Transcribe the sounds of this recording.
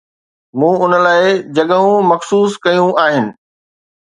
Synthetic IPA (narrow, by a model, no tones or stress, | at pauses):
mũːʊnəlaːɪd͡ʑɐɠəɦũmɐxsuːskɐjũʔaːɦɪnɪ̆